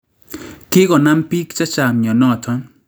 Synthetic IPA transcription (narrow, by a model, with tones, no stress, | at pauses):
ke˦kɔ˨na˦mpi˦kt͡ʃa˦t͡ʃa˨mɲɔ˨nɔ˦˨t̪ʰɔ˦